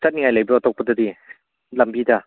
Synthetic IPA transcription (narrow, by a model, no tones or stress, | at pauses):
sɐt̚niŋajlajbɯɔtɔk̚pɐdɐdi | lɐmbida